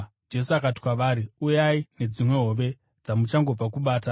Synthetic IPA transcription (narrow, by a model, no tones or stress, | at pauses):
d͡ʒe̞s̬uakati̥kwaʋaːɾiujaine̞d͡zimwe̞ɦo̞ːʋe̞ | d͡zamut͡ʃaŋɡo̞b͡vakuɓaːta